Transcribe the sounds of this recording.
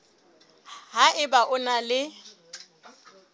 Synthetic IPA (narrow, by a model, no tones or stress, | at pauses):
ɦaʔɪbaʔʊnalɪ